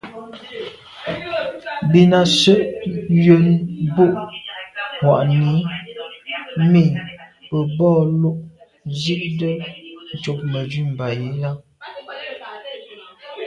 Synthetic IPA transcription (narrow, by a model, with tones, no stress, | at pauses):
bi˨na˨sə˦ʔjə˨nbo˦ʔ | hwa̰˨ʔni˨˦ | mi˦˨pə˨bɔː˦˨lu˦ʔ | zi˦ʔdə˦n̩˨t͡ʃo˨p̚mə˨d͡ʒɥi˦˨m̩˨ba˨ji˨˦ja˦